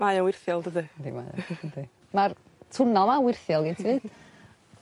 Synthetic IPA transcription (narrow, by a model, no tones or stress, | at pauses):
majawɪrθjɔlˠdəðədḭma̰j̰ədi | mar | tʰʊnɔlˠmawɪrθjɔlˠɡitʰɨːd̥